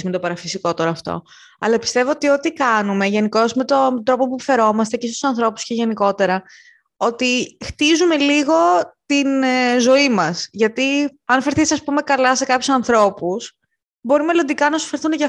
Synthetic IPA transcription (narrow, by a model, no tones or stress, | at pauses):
met̪opɐɾɐfisiko̞t̪oɾoɐft̪o̰ | ɐ̰lɐpi̥st̪e̞voot̪io̞t̪ikɐnume̞ʝe̞niko̞zme̞t̪o̞nd̪ɾo̞po̞pufe̞ɾo̞mɐst̪e̞ceist̪usɐnθɾo̞pu̥sceʝe̞niko̞t̪e̞ɾɐ | o̞t̪ixt̪izume̞liɣo̞t̪inzo̞imɐsʝɐt̪i | ɐnfeɾθisɐspume̞kɐlɐse̞kɐpçusɐnθɾo̞pus | bo̞ɾime̞lo̞nd̪ikɐnɐsfeɾθunecɐ